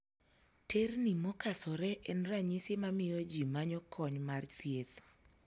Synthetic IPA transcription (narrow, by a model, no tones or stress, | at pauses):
ternimɔkasɔɾɛʔɛnɾaɲisemamɪjod͡ʒimaɲɔkʰɔɲmart̪jet